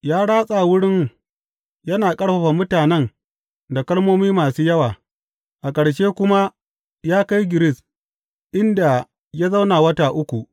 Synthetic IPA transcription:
jaː˦ɽaː˦sʼa˨wʊ˦ɽɪ˦ŋ | jɐ˦naː˨kʼɐ˦ɽɸɐ˨ɸa˨mʊ˦taː˨nɛ˦n | da˨kɐ˦ɽmoː˦miː˦maː˨suː˦jɐ˦waː˨ | ʔa˨kʼɐ˨ɽʃeː˦kʷʊ˦ma˦ | jaː˦ka˦jɡʲɪ˨ɾɪ˦s | ʔɪ˦nda˨ | jaː˦za˦wna˨wɐ˦taː˨ʔʊ˦kʷu˨ʔ

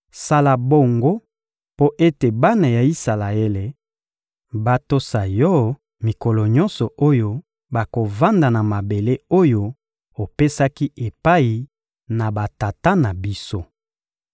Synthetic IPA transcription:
sa˦la˨bo˦ŋɡo˦ | po˦ʔe˦te˨ba˦na˨ja˨i˦sa˨la˨e˦le˨ | ba˦to˦sa˨jɔ˦ | mi˨kɔ˨lɔ˨ɲɔ˦nsɔ˨o˦jo˦ | ba˨ko˨va˦nda˨na˨ma˨be˨le˦o˦jo˦ | o˨pe˦sa˦ki˦ʔe˨pa˦i˨ | na˨ba˨ta˨ta˦na˨bi˦so˦

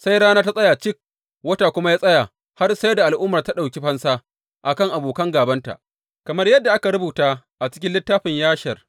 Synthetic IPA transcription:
sa˦jɽaː˦naː˦ta˦sʼɐ˦jaː˨t͡ʃɪ˦k̚ | wɐ˦ta˨kʷʊ˦ma˦jaː˦sʼɐ˦ja˨ | ha˦rsa˦da˨ʔa˨lʔʊ˦mɐ˨rta˦ɗa˨wkʲi˦ɸɐ˦nsaː˦ | ʔa˨kɐ˦˨ŋʔa˨boː˨kɐ˦ŋɡaː˨bɐ˦nta̰˨ʔ | kɐ˨mɐ˦rjɐ˦dːa˨ʔa˦ka˨ɾʊ˦buː˨taː˦ | ʔa˨t͡ʃɪ̥˦kʲɪ˦nlɪ˦tːaː˦ɸɪ˨ɲjaː˦ʃɐ˨r

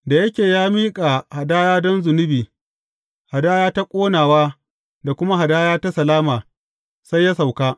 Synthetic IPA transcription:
da˨jɐ˦kʲeː˨jaː˦miː˦kʼaː˨ha˨daː˦jaː˦dɔ˦nzʊ˨nʊ˦biː˨ | ha˨daː˦jaː˦ta˦kʷʼoː˦naː˨waː˦ | da˨kʷʊ˦ma˦ɦa˨daː˦jaː˦ta˦sɐ˨laː˦maː˨ | sa˦jːa˦sa˨wkaː˦

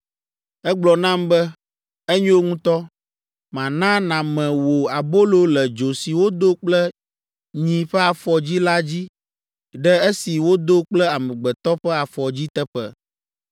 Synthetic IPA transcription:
ɛ˦ɡ͡blɔ˨nã˦mbɛ˦ | ɛ˦ɲũ˦wo˦ŋũ˦t̪ɔ˦ | mã˨nã˦nã˨mɛ̃˨wo˨a˨bo˦lo˦lɛ˨d͡ʒo˨si˨wo˦d̪o˦k͡plɛ˦ | ɲĩ˨ɸɛ˦a˨fɔ˨d͡ʑi˦la˦d͡ʑi˦ | ɖɛ˦e˦si˨wo˦d̪o˦k͡plɛ˦a˨mɛ̃˨ɡ͡bɛ˨t̪ɔ˦ɸɛ˦a˨fɔ˨d͡ʑi˦t̪ɛ˦ɸɛ̰˨

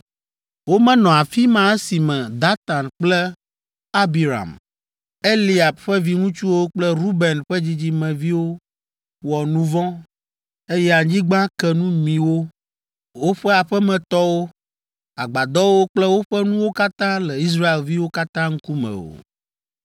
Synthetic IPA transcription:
wo˦mɛ̃˦nɔ̃˨a˨fi˦mã˦e˦si˨mɛ̃˨d̪a˦t̪a˨nk͡plɛ˦ | a˦bi˨ɾa̰˨m | e˦li˨˦a˨b̚ɸɛ˦vi˦ŋũ˦t͡ʃu˦wo˦k͡plɛ˦ɾu˦bɛ˨nɸɛ˦d͡ʑi˦d͡ʑi˦mɛ̃˨vi˦wo˦ | wɔ˨nũ˦vɔ̃˦ | e˦jɛ˦a˨d͡ʑĩ˦ɡ͡bã˦kɛ˦nũ˦mĩ˨wo˦ | wo˦ɸɛ˦a˨ɸɛ˦mɛ̃˨t̪ɔ˦wo˦ | a˨ɡ͡ba˨d̪ɔ˦wo˦k͡plɛ˦wo˦ɸɛ˦nũ˦wo˦ka˦t̪ã˦lɛ˨i˦s̬ɾa˦e˨lvi˦wo˦ka˦t̪ã˦ŋ̩˦ku˦mɛ̰̃˨o̰˨

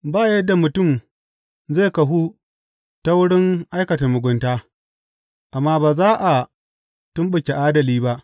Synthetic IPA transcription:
baː˦˨jɛ˦dːa˨mʊ˨tʊ˦˨m | ze˦˨kɐ˨ɦu˦ | ta˦wʊ˦ɽɪ˦ŋʔa˦jkɐ˨tɐ˨mːʊ˨ɡʷʊ˦ntaː˦ | ʔa˨mːaː˦baː˨zaː˦ʔa˨ | tʊ˦mɓʊ˨kʲe˨ʔaː˦dɐ˨liː˦ba˦ʔ

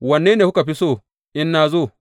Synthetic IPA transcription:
wɐ˨nːeː˦neː˨hu˦ka˨ɸi˦soː˦˨ | ʔɪ˦nːaː˨zoː˦˨

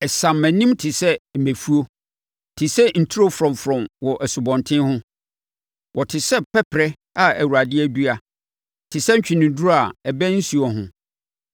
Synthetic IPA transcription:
ɛ˨sã˨mːæ̃˨nĩ˦mtʰɪ˨sɛ˦˨mæ̃˨fu˦o˦ | tʰɪ˨sɛ˦n̩˨tʰi˦o˦fɾɔ̃˨m˨fɾɔ̃˨mwɔ˨ʔæ˨sʊ˨bɔ̃˨ntʰɪ̃˦nhʊ̃˦ | wʔɔ˨tʰɪ˨sɛ˦pʰɛ˦pʰɾɛ˦ | a˨æ˨wu˨ɾa˨dɪ˦æ˦du˦a˨ | tʰɪ˨sɛ˦ɲ̩˦t͡ɕᶣi˨nɪ̃˨da˨ɛ˨bæ̃˦n̩˦su˨ɔ˨ɦʊ̃˦

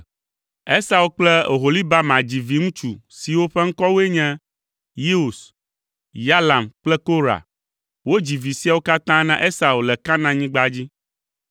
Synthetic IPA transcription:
ɛ˦sa˨wo˨k͡plɛ˦o˨ɦo˨li˦ba˦mã˨d͡ʑi˨vi˨ŋũ˦t͡ʃu˨si˨wo˦ɸɛ˦ŋ̩˦kɔ˦wo˦e˦ɲɛ̃˦ | ji˦u˨s | ja˦la˨mk͡plɛ˦ko˦ɾa̰˨ | wo˦d͡ʑi˨vi˨si˦a˨wo˦ka˦t̪ã˦nã˦ʔe˦sa˨wo˨lɛ˨ka˦nã˦ɲĩ˦ɡ͡ba˦d͡ʑi˦

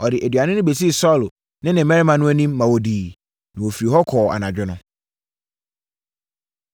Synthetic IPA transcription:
ɔ˨dɪ˨ʔæ˨dɥa˨nʊ̃˦nʊ̃˦be˨s̬i˦˨sɔ˦˨l | nɪ̃˦nɪ̃˨˦mɛ̃˦ɾɪ˦mã˨nʊ̃˦æ˦nĩ˦mːã˨wo˨diː˨ | nɪ̃˨wo˨fi˨ɾi˨ɦɔ˦kʰɔː˨a̰˨nã˨d͡ʑᶣɪ˦nʊ̃˦

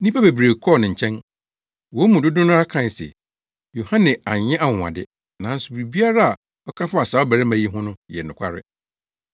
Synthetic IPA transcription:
nĩ˦pʰa˦be˨bɾe˨kʰɔ˦˨nɪ̃˨ɲ̩˨t͡ɕʰɛ̃˦n | wɔ˨˦mũ˨dʊ˦dʊ̃˦nʊ̃˦a˦kʰã˦˨sɛ̰˨ | jo˨hã˦nɛ̃˨a˨ɲɛ̃˦ʔa˦wʊ̃˨ã̰˨dɪ̰˦ | nã˨˦n̩˦sʊ˨bɾi˨bi˦a˦ɾa˦a˨ | ɔ˦kʰã˦fʊ˦a˨sa˨˦ɔ˦bæ˨ɾɪ˦mã˨ji˦ɦʊ̃˦nʊ̃˦jɛ˨nʊ̃˨kʷʰa̰˦ɾɪ̰˦

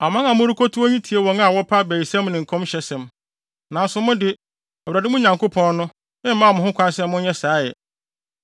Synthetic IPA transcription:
a˨mã˦ŋã˨mʊ̃˦ɾu˦kʰo˦tʰu˦ɔ˦ɲĩ˦tʰi˨e˨wɔ̃˨˦ŋa˨wɔ˦pʰa˦bæː˨i˨sɛ̃˦mnɪ̃˨ŋ̩˨kʰʊ̃˦ɕɛ˨˦sɛ̃˨m | nã˨n˦sʊ˨˦mʊ̃˦dɪ˨ | ɛ˨wɾæ˨dɪ˦mʊ̃˦ɲã˨ŋkʰo˦pʰɔ̃˦n˦nʊ̃˦ | ɪ̃˦m̩˦mã˦˨mʊ̃˨hʊ̃˦kʰʷã˦nsɛ̃˦mː˦ʊ̃˦ɲɛ˦saː˨˦jɛ̰˨

